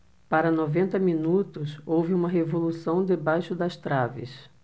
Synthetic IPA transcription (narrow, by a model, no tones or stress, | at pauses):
paɾɐnovẽnt̪ɐmĩnut̪ʊsowvɪũmɐɦevolusɐ̃w̃d̪ebajʃʊd̪ɐst̪ɾavɪ̰s